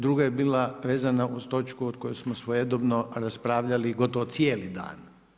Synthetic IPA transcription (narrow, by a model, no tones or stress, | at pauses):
d̪ɾuɡajebiːlaʋeːzanaust̪o̞t͡ʃkuod̪̚ko̞jusmosʋojed̪obnoɾaspɾaːʋʎaliɡo̞t̪oʋot̪sieːlid̪a̰ːn